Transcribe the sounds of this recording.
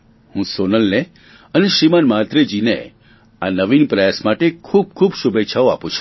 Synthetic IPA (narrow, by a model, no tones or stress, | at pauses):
hũsonəlne | əneʃɾimanmat̪ɾed͡ʒinḛ | anəʋinpɾəjasmaʈekʰub̚kʰubʃubetːʃʰaoa̰pũt͡ʃʰũ̥